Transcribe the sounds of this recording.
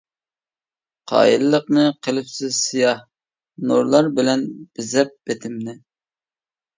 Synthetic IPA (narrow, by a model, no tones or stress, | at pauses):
qʰɑ̰ːjḭlɨlːəqnɨqʰəlˠɪpsɪz̥sijɑh | nuɾlˠɑɾbɪlɛnb̥ɪzɛp̚b̥et̪ʰɪmnɪ